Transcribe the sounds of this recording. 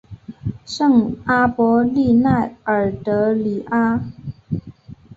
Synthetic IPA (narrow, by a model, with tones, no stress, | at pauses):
ʂɤ˥˩ŋa˥pwɔ˧˥li˥˧na˥˩ɪə˨˩t̪ɤ˧˥li˨˩ʔa˥